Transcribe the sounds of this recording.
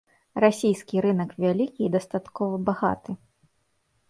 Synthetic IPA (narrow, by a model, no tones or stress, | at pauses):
rasʲijskʲiɾɨnɐkvʲalʲikʲiːd̪ɐst̪at̪kɔvɐbaɣa̰t̪ɨ